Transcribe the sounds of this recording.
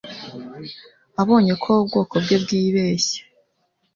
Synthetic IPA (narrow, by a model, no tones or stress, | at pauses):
aβo̞ːɲe̞kʰoβobɡo̞ːko̞bɡebɡiːβe̞ːçe̥